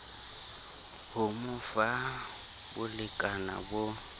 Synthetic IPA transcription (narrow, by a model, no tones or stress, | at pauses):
hʊmʊfa | bʊlɪkʼana̰bʊ